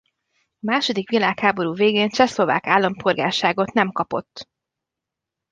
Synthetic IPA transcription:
ɒmaːʃo̞d̪ikʋilaːkhaːbo̞ɾuːveːɡeːnt͡ʃɛslo̞va̰ːkaːlːɒmpʰo̞rɡa̰ːʃaːɡo̞t̪nɛmkɒpo̞t̪ː

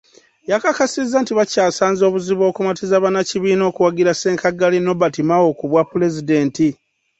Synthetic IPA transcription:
jakakasizːantiβacaːsaːnzo̞ːβuziβo̞ːkumatizaβanaciβiːno̞ːkuwaɡiɾase̞ːŋkaɡalino̞batimawo̞kuβwapːule̞zide̞ːnti

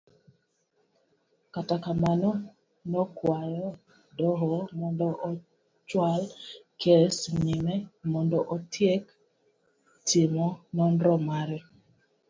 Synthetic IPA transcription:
katakamanɔ | nɔkwajɔ | dɔɦɔmɔndɔʔɔ | t͡ʃwalkʰɛsɲimɛmɔndɔʔotʰjek | tʰɪmɔnɔnɾɔmaɾɛ

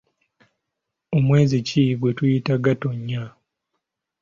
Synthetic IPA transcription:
o̞mwe̞ːzicʰiɡwe̞tujitaɡato̞ɲːa

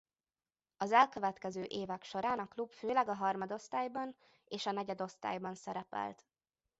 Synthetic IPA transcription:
ɒzɛlkø̞vɛt̪kɛzøːʔeːvɛkʃo̞ɾaːnɒklubføːlɛɡɒɦɒrmɒd̪o̞st̪aːjbɒn | eːʃɒnɛɟɛd̪o̞st̪a̰ːjbɒnsɛɾɛpɛ̰lt̪

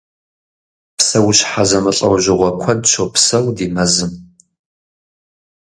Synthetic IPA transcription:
psɐwɕħazɐmɨɬʼɐwʒɪʁʷɔkʷʰɐdʃʰopsɐwdiːmɐzɨm

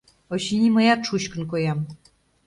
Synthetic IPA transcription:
oɕinʲiməjɑt̪ʃuɕkə̆nk̬ojɑm

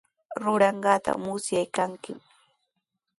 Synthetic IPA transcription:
ɾʊɾɑɴɢɑːt̪a̰mʊsjajkaŋkɪm

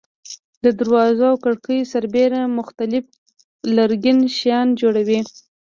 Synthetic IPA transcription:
d̪əd̪aɾwɑzawkaɽkəjsaɾbeɾamʊxt̪alɪf | laɾɡinʃjɑnd͡ʒoɽawi

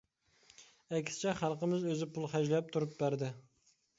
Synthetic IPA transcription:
ɛkʲsɪ̥t͡ʃʰɛχælˠqəmɪzøzɪpʰulˠχæd͡ʒlɛp̚t̪ʰuɾup̚bæɾd̪ɪ

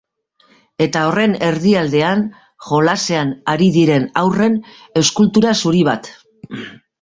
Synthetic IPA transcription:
e̞t̪ao̞re̞ne̞ɾðiald̪e̞an | ʝo̞lase̞anaɾiðiɾe̞nawre̞n | e̞wskult̪uɾasuɾiβ̞at̪

